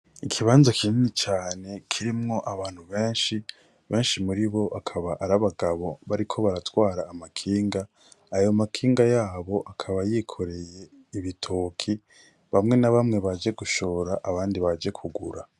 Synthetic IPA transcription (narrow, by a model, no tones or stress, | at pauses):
ikʰiβaːnzokʰininit͡ʃaːne̞kʰiɾimŋo̞ʔaβaːn̥huβe̞ːnʃi | βe̞ːnʃimuɾiβo̞ʔakʰaβaʔaɾaβaɡaβo̞βaɾikʰo̞βaɾatwaːɾaːmakʰiːŋɡaː | jomakʰiːŋɡajaːβo̞ʔakʰaβajikʰo̞ɾe̞je̞ | iβitʰokʰi | βamŋe̞naβamŋe̞βad͡ʒe̞ɡuʃo̞ːɾaʔaβaːndiβad͡ʒe̞kʰuɡṵɾa